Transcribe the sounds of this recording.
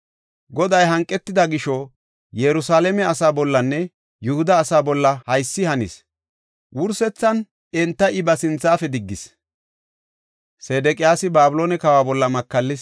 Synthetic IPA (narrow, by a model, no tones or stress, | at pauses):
ɡɔd̪ɐjɦɐŋkʼːɛt̪ːɪd̪ɐɡɪʃɔ | jɛɾʊsaːlɛmɛɐsaːbɔlːɐnːɛ | jʊhʊd̪ɐːsaːbɔlːɐhɐjsːɪhɐnɪ̰s | wʔʊɾsɛt͡sːɐn | ɛnt̪ːɐʔɪbɐsɪnt͡sːaːfɛd̪ɪɡːɪs | seːd̪ɛkʼɪjaːsɪbaːbʊloːnɛkɐwaːbɔlːɐmɐkːɐlːɪs